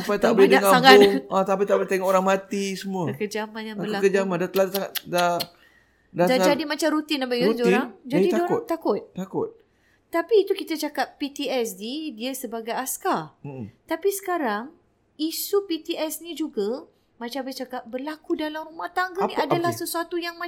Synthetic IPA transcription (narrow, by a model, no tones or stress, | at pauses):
apajt̪aʔbəlidəaŋaaaãt̪apit̪abəlit̪eŋɔʔoɾaŋmat̪isəmũəəkəd͡ʒamãnjaŋbəllakəd͡ʒamandat̪əlasaŋada | dadd͡ʒadimat͡ʃamɾut̪ɪnapaisoɾaŋd͡ʒaidtt̪ːakʊt̪̚t̪akʊ̰t̪̚ | t̪apiːt̪ukit̪at͡ʃakap̚pit̪iɛsdidiəsəbaɡajaskarm̩ət̪apisə̥kaɾaŋ | isupit̪iɛsnid͡ʒuɡa | mat͡ʃabɪt͡ʃakap̚bərlakudalamɾumaht̪aŋɡaniʔadalahsəsuat̪ujaŋma